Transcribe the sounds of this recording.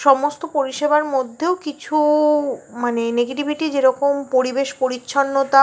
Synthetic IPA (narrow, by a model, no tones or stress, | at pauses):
ʃɔmost̪opoɾiʃebaɾmod̪ʱːeokit͡ɕʰu | maneneɡeʈibʱiʈid͡ʑeɾɔkompoɾibeʃpoɾitːɕʰonːot̪a